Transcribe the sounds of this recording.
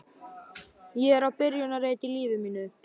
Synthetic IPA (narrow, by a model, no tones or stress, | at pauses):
jɛɛɾawpɪɾjʏnareːjt̪ɪliːvɪmiːnʏ